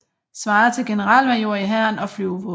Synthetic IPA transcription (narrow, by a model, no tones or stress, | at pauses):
sʋɑ̈ːt͡sʰe̝lɡ̥e̝nəʁɑ̈l̰ʋmæjo̝ɐ̰iɦæɐ̰nɒ̽flyʊʋo